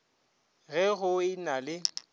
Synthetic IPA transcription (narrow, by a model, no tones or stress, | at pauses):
ɣɛɣʊɪnalɪ